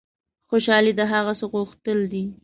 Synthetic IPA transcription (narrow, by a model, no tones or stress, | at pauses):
xoʃɑlid̪əɦaɣasoɣuxt̪əld̪i